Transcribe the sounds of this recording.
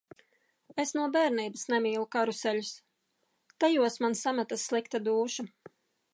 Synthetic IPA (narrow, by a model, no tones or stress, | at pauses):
esnuɔbɛːɾniːbasnɛmiːlˠukaɾusɛlus | t̪ajuɔsmansamɛt̪asːlˠikt̪ad̪uːʃa